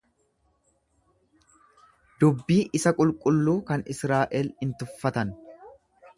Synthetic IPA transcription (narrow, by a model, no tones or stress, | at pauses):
d̪ʊbːiːʔɪsɐkʼʊlkʼʊlːuːkɐnɪsɾaːʔɛlɪnt̪ʊfːɐt̪ɐn